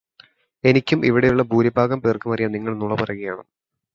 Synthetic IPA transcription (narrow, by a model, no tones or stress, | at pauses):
e̞nikʲːumʔiʋiɽejuɭːɐbʱuːɾɐbʱaːɣɐmpeːrkɨmɐrijɐniŋːɐɭnuɭɐpɐrɐɣɐjaːɳɨm